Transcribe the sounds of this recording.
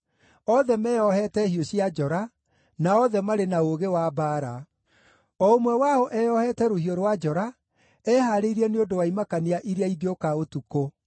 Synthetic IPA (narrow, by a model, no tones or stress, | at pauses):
ɔðɛmɛjɔhɛtɛhioɕiad͡ʒɔɾa | naɔðɛmaɾenaoɣewabaːɾa | ɔomwɛwaɔʔɛjɔhɛtɛɾohioɾwad͡ʒɔɾa | ɛhaɾeiɾiɛneondowaimakaniaʔiɾeaiðiokaotuko